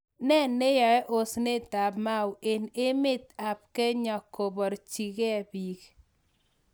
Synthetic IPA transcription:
nɛ˦nːe˦jɔ˨ɛ˦ʔo˦sne˦˨ta˨bma˦wʔe˨ne˦mɪ˦t̪a˨p̚ke˦ɲɔ˨kʰo˨bɔ˨ɾt͡ʃi˨kɛ˦bi˨k

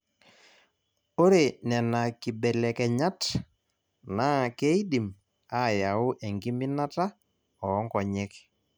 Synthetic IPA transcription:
o˦ɾe˨nɛ˨na˨ki˨bɛ˨lɛ˨kɛ˨ɲa˦t | na˨˦ke˦i˦di˨m | a˦˨ja˨ʊ˦ʔe˨ŋɡi˦mi˦na˦ta˦ | ɔ˨ɔ˦ŋkɔ˨ɲɛ˦k

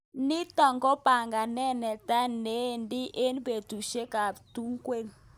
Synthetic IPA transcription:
ni˦tɔ˨ŋɡɔ˦pa˨ŋɡa˨nɛ˦nɛ˨ta˦ne˨˦˨ndi˦ʔe˦nbe˨tu˨ʃe˦ka˨tu˦ŋkwe˦˨n

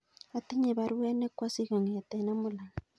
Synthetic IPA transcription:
a˨t̪e˦ɲe˨βaɾwe˦ne˦kwa˦siɣa˨ŋea˨t̪ena˦mo˨la˨ŋ

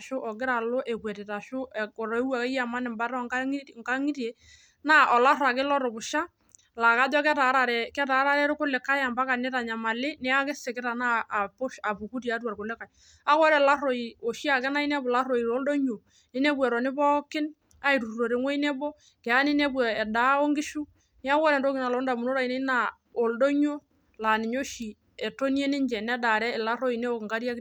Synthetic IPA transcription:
ʃʊ˦ʔɔ˨ɡɪ˦ɾa˨lo˦ʔe˨kwɛ˨te˨ta˨ʃʊ˦˨kɔ˨ɾɔ˨e˦wa˨kɛ˦ja˨ma˦nɪ˨mba˦ɾɔ˦ŋa˦ŋka˦ŋi˦ɾie˨ | na˦ʔɔ˨la˦ɾa˨kɪ˦lɔ˦ɾɔ˨bʊ˨ʃa˦ | la˨ka˦dɔ˦kɛ˦ta˨˦ɾa˨ɾɛ˨kɛ˦ta˨˦ɾa˦ɾɛ˦ɾʊ˦kʊ˦lɪ˨ka˦ja˨mba˦ka˨nɪ˦ta˨ɲa˨ma˨lɪ˦nɪ˦a˦kɪ˦sɪ˨kɪ˦ɾa˨naː˦˨pʊ˦ʃa˨bu˨ku˦ti˨a˦twa˨ɾkʊ˨lɪ˦ka˨ | a˦kwɔ˦ɾɛ˨la˦ro˨i˨o˨ʃi˦a˨kɛ˦na˦i˦nɛ˦bʊ˨la˦ro˨i˨ɾo˨˦ldo˦ɲo˨ | nɪ˦nɛ˦bwɛ˨ɾɔ˨nɪ˦bɔ˦kɪ˦n | a˦i˨tu˨o˨ɾe˨ŋwɔ˦i˦nɛ˦bɔ˦ | kɛ˨a˦nɪ˦nɛ˦bɛ˨ɛ˨daː˨˦o˦ŋɡɪ˦ʃu˦ | nɪ˦a˦kɔ˦ɾɛ˨ndo˦ki˨na˨lɔ˨˦nda˨mu˨no˦ɾa˨i˨ne˦na˨ | o˨ldo˦ɲo˦ | la˨nɪ˨ɲo˦ʃi˨ | ɛ˨to˦ni˦e˦nɪ˦ɲd͡ʒɛ˨nɛ˦da˨ɾɛ˦˨la˦ro˦i˨ne˦o˨kŋɡa˦ɾja˦k

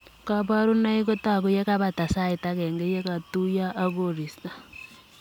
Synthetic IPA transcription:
ka˨βa˦ɾu˦na˦i˦ɣo˦ta˨ɣu˦je˦ka˦βa˨ta˨sa˦i˨ta˦ɣɛ˨ŋɡe˦je˦ka˨tu˦ja˦ʔːɣo˦ɾi˨sta˨

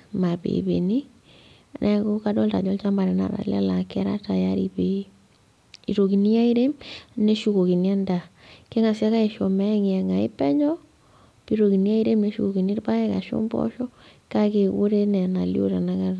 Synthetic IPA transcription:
ma˨bḛ˨bḛ˨ni˦˨ | nʔɛ˦ko˦ka˦dɔ˦lta˨d͡ʒɔ˦lt͡ʃa˦mba˨ɾɛ˨na̰˨ɾa̰˨la̰˦la˨kɛ˦ɾa̰˦ta˨ja˦ɾḭ˨be˦ | ḭ˨ɾo˨ki˨ni˦a˦i˦ɾe˦ne˦ʃu˨ko˨ki˨ni˦a˦nda˨ke˦ŋa˨sja˦ka˦e˨ʃo˨mɛ˦ŋ˨ɛ˨ŋa˨ḭ˦pɛ˦ɲɔ˦ | pi˦ɾo˨ki˨ni˦a˦i˦ɾe˦me˨˦ʃu˨ko˨ki˨ni˦ɾpa˦ɛ˦ka̰˨ʃo̰˦mbɔ̰˦ʃɔ˦ | ka˦ke˨wo˦ɾe˦nɛ˨na˨lḭ˦o̰˦ɾa˨na˦ka˦

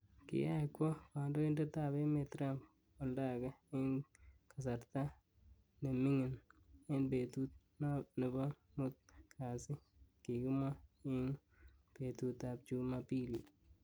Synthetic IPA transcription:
kɪ̰˨ja˦kwɔ˦pa˨ndo˦ɪ˦ndɛ˦ta˨be˦me˨tɾa˦m | ɔ˨lda˦˨ɡɛ˦ɪ˦nka˨s̬a˨ɾt̪a˦ | ne˨mɪ˦ŋɪ˨nɪ˦nbe˨t̪u˦t̪̚ | nnɪ˨bɔ˦ | mʊ˦t̪̚kʰa˨sɪ˦ | ki˨kɪ˦ma˦ɪ˦n | pe˨tu˨ta˨p̚t͡ʃu˦mapi˦li˨

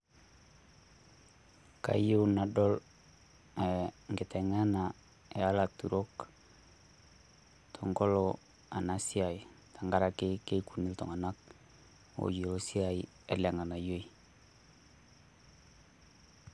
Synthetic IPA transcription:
ka̰˨ju˦una˨do˦l | e˨ŋɡi˨te˨ŋe˦na˨ | e˨a˦la˨tu˨ɾo˦k | tʰo˨ŋɡo˦lo˨ | a˨na˨si˦a˨ji˨ | tʰa˨ŋɡa˦ɾa˨ke˦ke˦ku˨ni˦lto̰˨ŋa˨na˦k̚ | o̰˨ju˨lo˨si˦a˨i | ḛ˨le˨ŋa˨na˨jo˦i˨

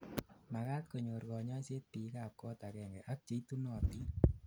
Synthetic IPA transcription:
ma˨ka˦t̚ko˨ɲo˨ɾɡɔ˨ɲɔ˦se˦ti˨˦ka˨p̚kɔ˦ta˨kɛ˨ŋɡɛ˨ʔa˦k̚t͡ʃe˨i˦tu˦nɔ˨ti˦

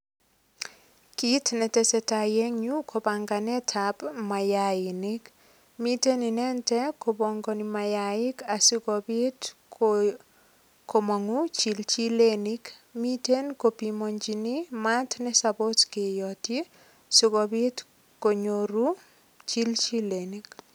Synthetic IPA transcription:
kitnɛ˨tɛsɛ˨tajɛ˦ŋɲu˦kʰobaŋɡanɛ˦tʰabma˨jaɪni˦k | mi˦te˦ninɛ˦ntɛ˦kobɔ˨ŋɡɔ˨nima˨jaɪ˦ka˨su˦ɡɔbi˦t | ko˨mɔ˨ŋut͡ʃi˨lt͡ʃi˦lenikmite˦nkopimoɲd͡ʒinima˦tnɛ˦sabo˦tke˨jɔti˦ | sʊkɔbi˦t | ko˨ɲoɾu˦ | t͡ʃi˦lt͡ʃi˦lenik

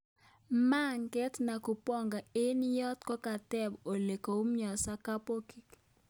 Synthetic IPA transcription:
ma˦ŋkɛ˦tna˨ku˨pɔ˦ŋɡa˨ɪ˦njɔ˦tkɔ˦ka˨tɛ˦bo˨le˨ko˨˦mɲɔ˨sa˦ka˦po˦ki˨k

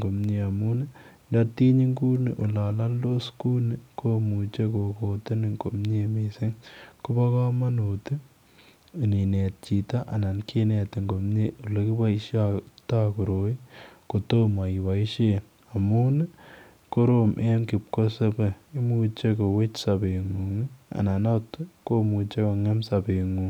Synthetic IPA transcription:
ŋɡo˨mɲe˨a˨mu˦n˦ | da˨ti˦ɲi˦ŋku˦ni˨ʔu˨la˨la˦ndo˦sku˦ni˨ko˦mu˨t͡ʃe˦ko˨ko˨tɪ˦nɪ˨ŋko˨mɲe˦mi˨sɪ˦ŋkʊ˦ba˦ka˦ma˦no˨ti˦ | u˨ni˨nɛ˨t̚t͡ʃi˨ta˦ʔa̰˨na˨nkʰe˦nɛ˨t̪ɪ˨ŋɡo˨mɲe˦ʔu˨la˨ki˦ba˦i˦ʃa˦ta˦ku˨ɾo˨˦i˦ko˨to˦ma˨i˨ba˨i˦ʃe˦n | a˨mu˦n˦ | ko˦ɾomʔe˦mkɪ˨p̚ko˦se˦be˨i˦mu˦t͡ʃe˦ko˨we˦t͡ʃsa˨be˨ŋu˨ŋi˦a̰˨na˨na˦tko˦mu˨t͡ʃe˦ko˨ŋɛ˦msa˨pe˨ŋu˨

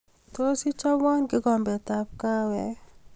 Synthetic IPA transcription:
to˦si˦t͡ʃa˦wɔ˦nɡɪ˦ɡɔ˨mbɛ˨t̪a˨p̚ka˦wɛ˨

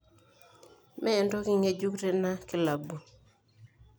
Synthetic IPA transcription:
mɛː˦˨ndɔ˦kɪ˦ŋe˨d͡ʒu˦kɾe˨na˦kɪ˦la˨bu˨

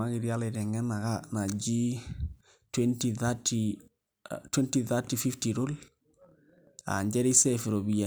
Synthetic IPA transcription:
aɡi˨ɾia˦lɪ˨ɾɛ˨ŋɡɛ˦na˨ɡa˦na˨d͡ʒi˦ | twɛntiθati | twɛ˦ntiθa˦tifi˦ftiɾo˦l | a̰˨ɲd͡ʒɛ˦ɾisɛfɪ˨ɾo˨bi˨ja

